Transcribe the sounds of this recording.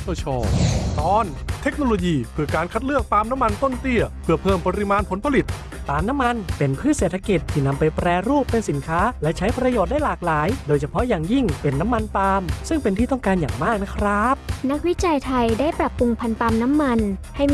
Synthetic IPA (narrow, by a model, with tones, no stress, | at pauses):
t̪ʰu˧˥˩t͡ɕʰɔː˧˩t̪ɔː˧˥nt̪ʰe˦˥k̚noː˧loː˧jiː˧pʰɯː˧˩kaː˧nkʰa˦˥t̪̚lɯ˥˩ək̚t̪aː˧mna˦˥mːa˧nt̪o˥˩nt̪i˧˩ɐpʰɯ˧˩əpʰɤː˥˩mpa˧ɾi˧˥maː˧npʰo˩˦npʰa˧li˨˩t̪̚ | t̪aː˧mna˦˥mːa˧npe˨˧npʰɯː˥˩seː˨˩t̪ʰːa˧ki˨˩t̪ʰːiː˥˩na˧mpa˧jpɾɛː˧ɾuː˥˩pːe˧nsi˩˦nkʰaː˦˥lɛ˦˥t͡ɕʰa˦˥jpɾa˧joː˨˩t̪̚da˥˩jlaː˨˩k̚laː˩˦jdoː˧jt͡ɕʰa˧pʰɔ˦˥ʔjaː˨˩ŋji˥˩ŋpe˧nːa˦˥mːa˧nt̪aː˧msɯ˥˩ŋpe˧nt̪ʰiː˥˩t̪ɔ˥˩ŋkaː˧njaː˨˩ŋmaː˥˩k̚na˦˥kʰɾa˦˥p̚na˦˥k̚wi˦˥t͡ɕa˧jt̪ʰa˧jdaː˥˩jpɾa˨˩pːu˧ŋpʰa˧nt̪aː˧mna˦˥mːa˧nha˥˩j